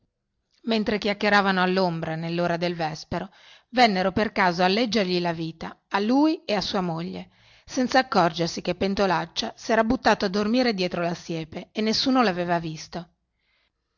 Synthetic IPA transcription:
ment̪ɾekjakːeɾaːvanoalːombɾanelːoːɾad̪elvɛspeɾo | vɛnːeɾoperkaːzoalːɛd͡ʒːerʎilaviːt̪aaluːjeasːuːamoʎːḛ | sɛnt̪saːkːɔrd͡ʒersikepːent̪olat͡ʃːasɛːɾabut̪ːaːt̪oad̪ːormiːɾed̪jɛːt̪ɾolasjɛːpeːnːesːuːnolaveːvavist̪o

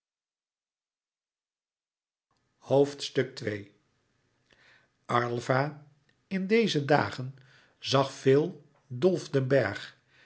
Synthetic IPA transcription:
howftstɵk̚tʋej | ʔɑɹlˠvaː | ɪndejzəda̰ːχən | zɑχfɪːlˠ | dɔlˠvdənbɛɹχ

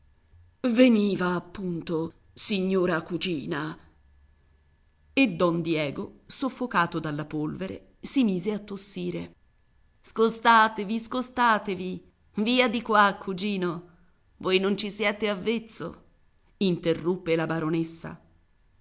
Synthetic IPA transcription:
veniːvaːpːunt̪o | siɲːoːɾakud͡ʒiːna | ed̪ːɔnd̪jɛːɡosofːokaːt̪od̪alːapolveɾḛ | simiːzeat̪ːosːiːɾe | skost̪aːt̪eviskost̪aːt̪evi | viːad̪ikwakʰːud͡ʒiːno | vojnont͡ʃisjɛːt̪eavːet̪sːo̰ | int̪erːupːelabaɾonesːa̰

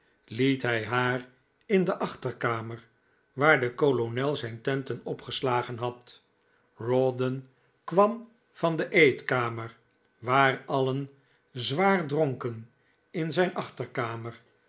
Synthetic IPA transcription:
litɦɛjɦaːr | ɪndəʔɑχtəɹkaːməɹ | ʋaːɹdəkolonɛlˠzɛjntɛntənɔpχəslaːχənɦɑt | rodən | kʋɑm | v̥ɑndəʔejtkaːməɹ | ʋaːrɑlən | zʋaːɹdroŋkən | ɪnzɛjnʔɑχtəɹkaːməɹ

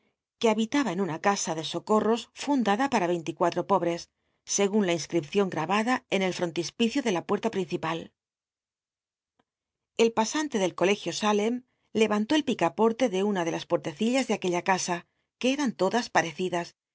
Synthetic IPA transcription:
ke̞aβit̪aβae̞nunakasaðe̞so̞ko̞ro̞sfund̪aðapaɾaβ̞e̞jnt̪ikwat̪ɾo̞po̞β̞ɾe̞sː | e̞ɣunlainskɾipθjo̞ŋɡɾaβaðae̞ne̞lfɾo̞nt̪ispiθjoðe̞lapwe̞ɾt̪apɾin̟θipal | e̞lpasant̪e̞ðe̞lko̞le̞xjo̞sale̞m | le̞βant̪o̞e̞lpikapo̞ɾt̪e̞ðe̞unaðe̞laspo̞ɾt̪e̞θiʎazðeake̞ʎakasa | ke̞eɾant̪o̞ðaspaɾe̞θiðas

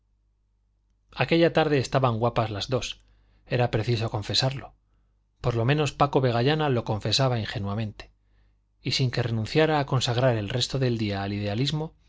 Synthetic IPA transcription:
ake̞ʎat̪aɾðe̞ːst̪aβaŋɡwapazlazðo̞s | e̞ɾapɾe̞θiso̞ko̞ɱfe̞saɾlo̞ | po̞ɾlo̞mẽ̞no̞spako̞βe̞ɣ̞aʎanalo̞kõ̞ɱfe̞saβaiŋxe̞nuamẽ̞nt̪e̥ | isiŋke̞re̞nũn̟θjaɾaːko̞nsaɣ̞ɾaɾe̞lre̞st̪o̞ðe̞ld̪iaːliðe̞alizmo̞

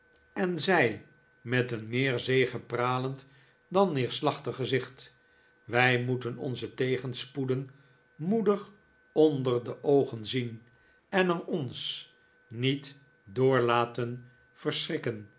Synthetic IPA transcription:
ɛnzɛj | mɛtənmɪːɹzejχəpraːlənt | dɑnːɪːɹslɑχtəχːəzɪχt | ʋɛjmutənɔ̰nzətejχənspudən | mudəχ | ɔndəɹdəʔowχənzin | ɛnərɔns | nit | dʊːɹlaːtən | v̥ərsrɪkən

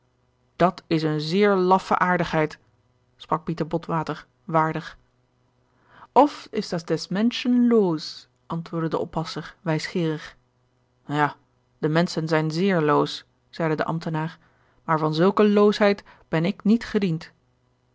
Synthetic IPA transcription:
d̥ɑtʰɪsənzɪːɹlɑfə̰ʔaːɹdəχɦɛjt | sprɑk̚pitəɹbɔtʋaːtəɹ | ʋaːɹdəχ | ɔfɪzdɑtdɛsmɛnʃənloːs | ʔɑntʋʊːɹdədəʔɔ̰pɑsəɹʋɛjsχɪːrəχ | jaː | d̥əmɛnsənzɛjnzɪːɹlows | z̥ɛjdədə̰ʔɑ̰mtənaːɹ | maːɹvɑnzɵlˠkəloːsɦɛjt | b̥ɛnɪknitχədint

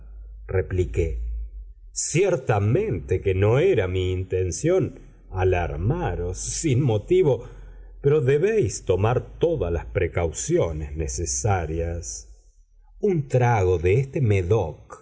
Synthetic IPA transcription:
replike | sjeɾt̪amẽnt̪ekeno̞eɾamiːnt̪ensjo̞n | ala̰ɾmaɾo̞sːinmo̞t̪iβo | peɾo̞ðe̞βejst̪o̞maɾt̪o̞ðalaspɾekawsjoneznesesaɾjas | unt̪ɾaɣoðeest̪emeðok

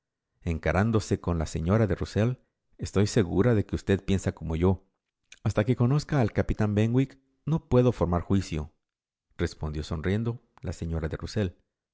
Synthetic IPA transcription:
e̞ŋkaɾand̪o̞se̞ko̞nlaseɲo̞ɾaðe̞rusel | est̪o̞jse̞ɣuɾaðe̞ke̞ust̪e̞ðpje̞nsako̞mo̞ʝo̞ | ast̪ake̞ko̞no̞skaːlkapit̪ambeŋɡwik | no̞pwe̞ðo̞fo̞ɾmaɾxwisjo̞̰ | re̞spo̞nd̪jo̞so̞nrje̞nd̪o̞ | la̰se̞ɲo̞ɾaðe̞ruse̞l

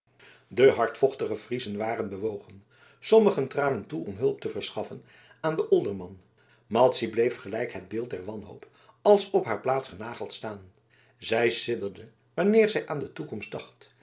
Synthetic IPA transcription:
dəɦɑɹtfɔχtəχəv̥rizənʋaːrənbəʋowχən | sɔməχəntraːnəntuɔmɦɵlˠp̚təvəɹsχɑfən | aːndəʔɔlˠdəɹmɑn | mɑlˠtsiblejfχəlɛjkɦəd̚bɪːlˠt̚dɛɹʋɑnɦo̰wp | ɑlˠsɔpɦaːɹplaːtsχənaːχəlˠtstaːn | zɛjsɪdəɹdə | ʋɑnɪːɹzɛjʔaːndətukɔmstd̥ɑχt

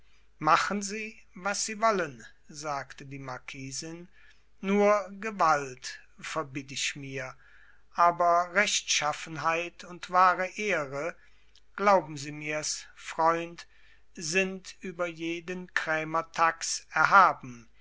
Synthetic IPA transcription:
maχənziːvasz̥iːvɔlən | zaːktədiːmaɐkʰiːzɪnː | uːɐɡəvalt | fɛɐbitɪçmiːɐ | ʔaːbɐʁɛʃtʃafn̩ɦaɪtʊntv̥aːʁəʔeːʁə | ɡ̥laʊbm̩ziːmiːɐsfʁ̥ɔʏnt | zɪntʔyːbɐjeːdənkʁ̥ɛːmɐtʰaksɛɐɦaːbm̩

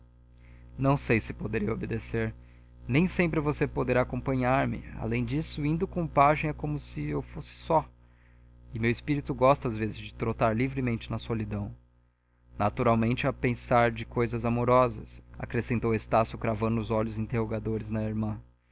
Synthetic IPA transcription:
nɐ̃w̃sejsɪpod̪eɾiɐobed̪eseɾ | nẽj̃sẽmpɾɪvosepod̪eɾaːkõpɐ̃ɲaɾmɪ̰a̰lẽj̃d͡ʒisʊĩnd̪ʊkõpaʒẽj̃ɛkõmʊsɪewfosɪ̥sɔ | ɪmewɪspiɾit̪ʊɡɔst̪ɐazvezɪzd͡ʒɪt̪ɾot̪aɾlivɾɪmẽnt͡ʃɪnɐsolid̪ɐ̃w̃ | nat̪uɾawmẽnt͡ʃɪapẽsaɾd͡ʒɪkojzɐzamoɾɔzɐ̰sa̰kɾesẽnt̪owest̪asjʊkɾavɐ̃nd̪ʊʊzɔʎʊzĩnt̪ehoɡad̪oɾɪznɐiɾmɐ̃

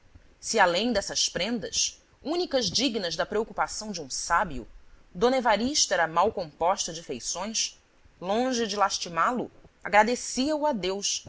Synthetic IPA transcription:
sialẽj̃d̪ɛsɐʃpɾẽnd̪ɐ̰s | ũnikɐzd͡ʒiɡnɐzd̪ɐpɾeokupasɐ̃w̃d͡ʒɪũsabiṵd̪õnevaɾiʃt̪ɐɛɾɐmawkõmpɔʃt̪ɐd͡ʒɪfejsõj̃s | lõʒɪd͡ʒɪlaʃt͡ʃimalʊ̰aɡɾad̪esiɐuad̪ews

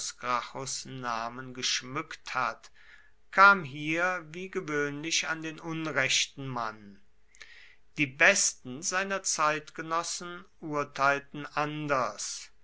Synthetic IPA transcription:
sɡ̥ʁaxosnaːmənɡəʃmʏkthat | kʰaːmɦiːɐviːɡəvøːnlɪʃandeːnʊnʁɛʃtn̩man | d̥iːbɛstn̩zaɪnɐt͡saɪtɡ̥ənɔsn̩ʔuɐtʰaɪltn̩ʔandɐs

